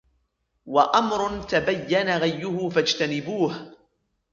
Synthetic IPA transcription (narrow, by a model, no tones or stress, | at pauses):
waʔamɾʊt̪abajːanaɣajːʊhʊfad͡ʒt̪anɪbuːh